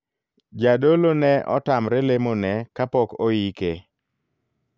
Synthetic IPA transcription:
d͡ʒadolonɛʔɔ̰tamɾelemonɛkapɔkojike

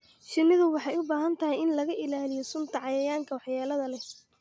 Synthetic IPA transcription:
ʃɪnːɪðʊwɑħɑjʊbaːɦɐnt̪ʰɐɦɪjɪnlɐɣɐʔɪlaːlɪjɔsʊnt̪ʰɐʕɑjɐjaːŋkʰɐwɑħjaːlɐðɐlɛ

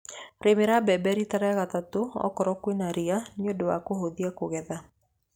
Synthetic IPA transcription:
ɾemeɾabɛbɛɾitaɾaaɣat̪atoɔ̰kɔɾɔkwenaɾianiodowa̰koɦoðiakoɣɛða

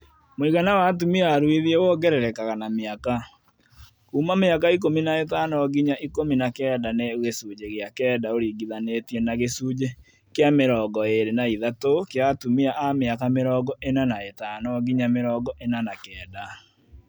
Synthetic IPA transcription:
mwiɣanawat̬umiaɾwiðiewɔɡɛɾɛɾɛkaɣanameaka | kuːmameakaik̬ominaetanɔɡiɲaʔikominakɛːdaneɣesud͡ʑeɣeakɛːdaoɾiɡiðanetienaɣesuːd͡ʑe | keameɾɔːɡɔeɾenaiðatokeatumiaʔameakameɾɔːɡɔʔenanaetanɔɡiɲameɾɔːɡɔʔenanakɛːda

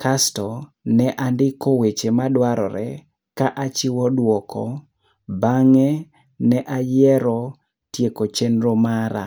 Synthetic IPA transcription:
kʰastɔ | nɛʔandɪkowet͡ʃemadwaɾɔ̰ɾɛ̰ | kaʔat͡ʃɪwɔdwɔkɔ | baŋɛ | nɛʔajɛɾɔ | tjekot͡ʃenɾomaɾa̰

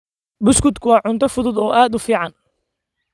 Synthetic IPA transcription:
bʊskʊd̪kʰʊwɑːʕʊnt̪ʰɐfʊðʊd̪ɔːʔaːd̪ʊfiːʕɑn

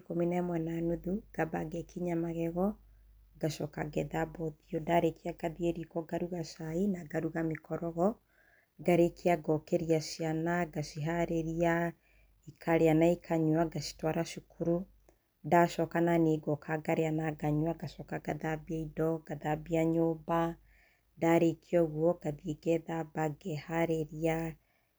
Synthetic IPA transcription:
kominaɛmwɛnanuðuɡ̥abaɡɛkʰiɲamaɣɛɣɔ | ɡaʃɔkaɡɛðabɔðiɔdaɾekʰiaɡaðieɾikɔɡaɾuɣaʃainaɡaɾuɣamekɔɾɔɣɔ | ɡaɾekʰiaɡɔkɛɾiaʃianaɡaʃiɦaɾeɾia | ikʰaɾeanaikʰaɲwaɡaʃi̥twaɾaʃukuɾu | ndaʃɔkananeɡɔkʰaɡaɾeanaɡaɲwaɡaʃɔkaɡaðabiaidɔɡ̥aðabiaɲoːba | daɾekʰiɔɣwɔɡ̥aðieɡɛðabaɡɛhaɾeɾia

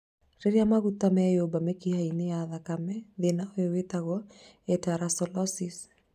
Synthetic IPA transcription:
ɾeɾjamaɣutamɛjobamɛkihaineaðakamɛðenaɔewetaɣɔ | ɛtaɾasɔlɔsis

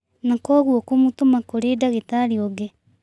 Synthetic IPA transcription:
nakɔɣwɔkomutomakoɾedaɣetaɾioɡe

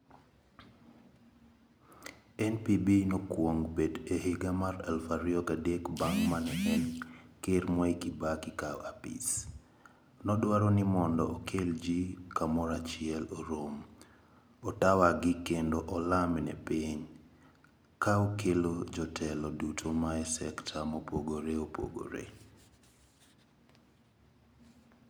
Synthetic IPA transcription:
ɛnpibinɔkwoŋbedehiɡamarɛlfaɾiɔɡadekbaŋmanɛʔɛnkermɔikibakikawapḭs | nɔdwaɾonimɔndɔʔɔkʰeld͡ʒikamɔɾat͡ʃɪɛloɾom | ɔtawaɡɪkendoʔɔlamnɛ̰peɲ | kaokʰelod͡ʒɔtʰɛlɔdutʰomaɛsɛktʰamopoɡoɾeopo̰ɡo̰ɾḛ

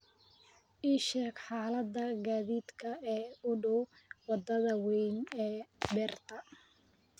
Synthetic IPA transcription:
ʔiːʃɛːɡħɑːlɐd̪ɐɡaːðiːd̪kʰɐɛːʊɖʊwwɑd̪ɐðɐwɛjnɛːbɛːrt̪ʰɐ

